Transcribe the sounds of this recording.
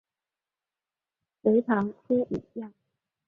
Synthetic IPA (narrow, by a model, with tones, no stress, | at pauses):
we˧˥ɪt̪ʰɑ˧˥ŋkʰwe˥ʔi˨˩jɑ˥˩ŋ